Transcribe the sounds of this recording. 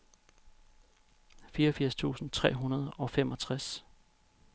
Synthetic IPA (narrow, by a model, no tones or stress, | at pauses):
fiːɐɒfiɐ̰st͡sʰṵːsn̩t͡sʰʁɛ̰ːɦunɐð̞ˠɒ̽femɒ̽t͡sʰʁas